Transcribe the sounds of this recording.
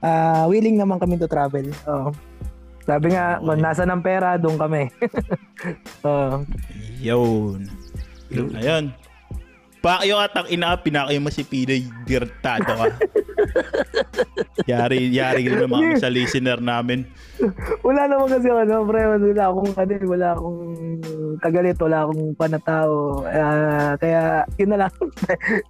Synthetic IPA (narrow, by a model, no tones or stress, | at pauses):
ʔaːwiːlɪŋnɐmaŋkɐmɪnt̪ot̪ɾaːvɛlʔoʔ | saːbɪŋaʔmɐnaːs̬ɐnɐŋpɛːɾɐd̪ʊʔʊnkɐmɛ | ʔoʔ | jonjonɐjon | paːkɐjʊŋʔat̪ɐŋʔɪnɐkapɪnaːkɐjʊŋmɐsɪpiːd̪ɐjd̪ɪɾɛk̚t̪aːd̪oka | jaːɾɪjaːɾɪklɐnɐmɐŋsɐliːsɪnɛɾnaːmɪn | wɐlaːnɐmɐŋɐs̬ɪkɐnopɾɛɐnwɐlaʔɐkoŋʔɐnowɐlaʔɐkoŋ | kɐɡɐlɛt̪wɐlaʔɐkoŋpɐnɐt̪aːʔoakɐjaːjʊnːɐlɐŋ